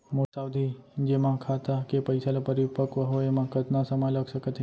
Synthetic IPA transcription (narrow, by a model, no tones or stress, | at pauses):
mosaʋd̪ʱid͡ʒemãkʰat̪akepəjsalapəɾipəkʋəɦoemãkət̪nãsəməjləɡʃəkət̪ʰi